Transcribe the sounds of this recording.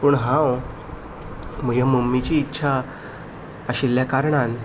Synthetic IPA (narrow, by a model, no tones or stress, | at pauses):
puɳɦãw | m̤əɡeməmːit͡ɕiːtːɕʰa | əɕilːjakaɾɳan